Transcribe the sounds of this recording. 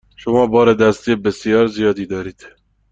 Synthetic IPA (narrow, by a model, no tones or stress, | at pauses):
ʃomɒːbɒːɾed̪æst̪ijebesijɒːɾzijɒːd̪iːd̪ɒːɾiːd̪̥